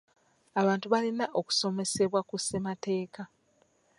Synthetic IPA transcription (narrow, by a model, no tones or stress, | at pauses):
aβaːntuβalinaʔo̞ku̥so̞me̞se̞βwakusemate̞ːka